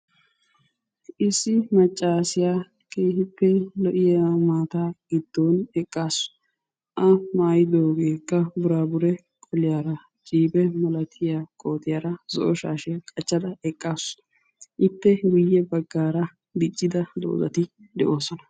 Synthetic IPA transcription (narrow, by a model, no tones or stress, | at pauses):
ʔɪsːɪmɐt͡ʃʼːaːsɪjaː | kʼeːhɪpːɛlɔʔɪjamaːt̪aːɡ̥ɪd̪̥ːoːnɛkʼːaːsʊ̥ | ʔɐmaːjɪd̪oːɡe̞ːkːɐbʊɾaːbʊɾɛ | kʼʰɔlɪjaːɾɐ | t͡ʃʼiːbɛmɐlɐt̪ʰɪjaːkʼo̞ːt̪ɪjaːɾɐzɔ̰ʔɔʃaːʃɛkʼɐt͡ʃːɐd̪ɐɛkʼːaːsʊ̥ | ʔɪt̪ːɛɡʊjːɛbɐɡːaːɾɐ | b̪ɪt͡ʃʼːɪd̪ɐd̪o̰ːzɐ̰t̪ɪ | d̪ɛʔo̞ːsɔnɐ